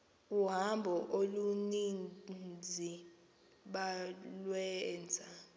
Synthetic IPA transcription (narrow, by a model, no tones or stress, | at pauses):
uɦambʱɔʔolunind͡zʱi | ɓalwɛnd͡zʱa